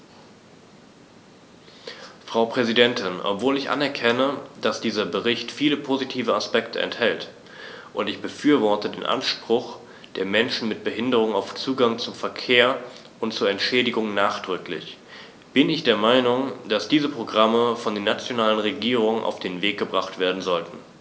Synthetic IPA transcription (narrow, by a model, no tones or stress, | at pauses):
fʁ̥aʊpʁ̥ɛzidɛntʰɪnʔɔ̰pv̥oːlɪçʔa̰nɛɐkʰɛnəd̥asd̥iːzɐbəʁɪçtfiːləpʰozitʰiːvəaspɛktʰəʔɛ̰nthɛlt | ʔʊntɪçb̥əfyːɐvɔɐtədḛːnʔa̰nʃpʁ̥ʊx | d̥eːɐmɛnʃn̩mɪt̚b̥əɦɪndəʁ̞ʊŋaʊft͡suːɡaŋt͡sʊmfɛɐkʰeːɐ | ʔʊntt͡suːɐɛntʃɛːdɪɡʊŋnaːχd̥ʁʏklɪ̰ç | b̥ɪnɪçd̥eːɐmaɪnʊŋd̥asd̥iːzəpʁ̥oɡʁaməfɔndeːnat͡sjonaːlənʁeɡiːʁ̞ʊŋʔa̰ʊfd̥eːnveːk̚ɡ̥əbʁaχtv̥eːɐdn̩zɔltn̩